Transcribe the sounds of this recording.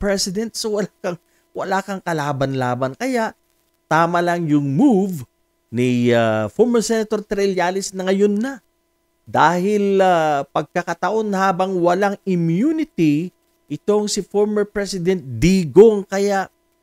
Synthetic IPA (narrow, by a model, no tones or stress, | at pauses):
pɹɛsɪd̪ɛnt̪sowɐlakɐŋ | wɐ̰laːkɐŋkɐlaːbɐnlaːbɐnkɐjaʔ | t̪aːmɐlɐŋjʊŋmuv | niafoɹmɛɹsɛnɐt̪o̞ɾt̪ɾɛljaːlɪsnɐŋɐjonːɐ | d̪aːhɪlapɐɡ̚kɐkɐt̪ɐʔo̞nhaːbɐŋwɐlaŋɪmjunɪt̪i | ʔɪt̪o̞ŋsɪfoɹmɛɹpɹɛsɪd̪ɛnt̪̚d̪iːɡoŋkɐjaʔ